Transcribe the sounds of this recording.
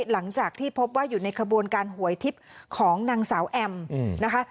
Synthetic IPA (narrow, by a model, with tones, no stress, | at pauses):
la˩˦ŋt͡ɕaː˨˩k̚t̪ʰiː˥˩pʰo˦˥p̬̚waː˥˩juː˨˩na˧jkʰa˧bu˧ənkaː˧nhu˨˩˦əjt̪ʰi˦˥p̚kʰɔː˩˦ŋnaː˧ŋsaː˩˦wʔɛ˧mna˦˥kʰa˦˥